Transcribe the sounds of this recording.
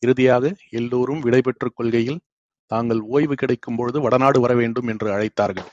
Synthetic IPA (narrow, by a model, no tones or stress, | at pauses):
ɪɾɯðɪjaːɣɐɛlːuːɾɯmʋɪɽɐɪpɛʈrɯkːɔɭɣɐjɪl | t̪aːŋɡɐɭoːjʋɯkɪɽɐɪkːɯmpɔɻɯðɯʋɐɽɐnaːɽɯʋɐɾɐʋeːɳɖɯmɛndrɯɐɻɐɪt̪ːaːɾɣɐɭ